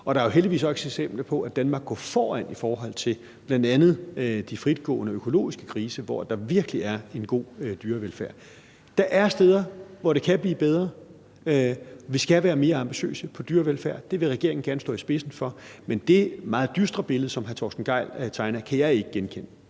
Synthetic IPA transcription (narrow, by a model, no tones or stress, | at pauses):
ɒ̽ɾ̥ɑ̈æɐjo̝ɦel̰d̥iʋḭːsɒ̽seɡ̥sem̰b̥lɐpʰɒ̽ʔæd̥ænmɑ̈ːɡ̥ːɔ̰ːfɒːænifɒːɦɒ̽l̰t͡sʰe̝l | b̥lænd̥ænð̩ˠd̥ifʁid̥ɡ̥ɔ̰̽ːnəøkʰo̝lo̝̰ːisɡ̥ə̥kʰʁiːsəʋɒ̰æd̥ɑ̈ʋiɐɡ̥əliæɐe̝nɡ̥o̝̰ːd̥yːɐʋelfæɐ̰ | d̥ɑ̈ʔæɐsd̥eːð̞ˠɐʋɒɾ̥e̝kʰæb̥lḭːb̥eð̞ˠʁɐ | ʋisɡ̥æʋæːɐme̝ːɐɑ̈mb̥iɕø̰ːsəpʰɒ̽d̥yːɐʋelfæɐ̰d̥e̝ʋe̝ʁɛɡ̥e̝ɐɪŋn̩ɡæɐnəsd̥ɔ̰̽ːisb̥e̝sn̩fɒ̽mend̥e̝mɑ̈ːð̞̩ˠd̥ysd̥ʁɐb̥e̝ləð̩ˠsɒ̽mɦæɐt͡sʰɒsd̥n̩ɡ̥ɑ̈ɪ̰lt͡sʰɑ̈ɪnɐkʰæjɑ̈ɪe̝ɡ̥əɡ̥enkʰen̰